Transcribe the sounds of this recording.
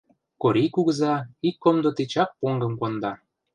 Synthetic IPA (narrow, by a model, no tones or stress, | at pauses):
koɾʲikuɣəzɑikːomd̪ot̪et͡ɕɑk̚poŋɡɤ̆mkond̪ɑ